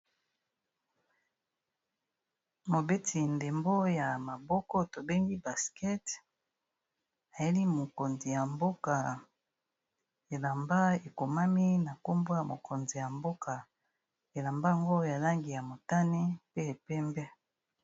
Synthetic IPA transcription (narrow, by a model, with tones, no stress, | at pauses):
mo˨be˦tʰi˨nde˨mbo˦ja˨ma˨bɔ˦kɔ˦to˨be˦ŋɡi˦ba˨skɛ˦t | a˨je˦li˦mo˨ko˨nzi˨ja˨mbo˦ka˨ | e˨la˨mba˦e˨ko˨ma˦mi˦na˨ko˦mbo˦ja˨mo˨kʰo˨nzi˨ja˨mbo˦ka˨ | e˨la˨mba˦˨ŋɡo˦ja˨la˦ŋɡi˨ja˨mo˨ta˦ni˦pe˦e˨pɛ˦mbɛ˦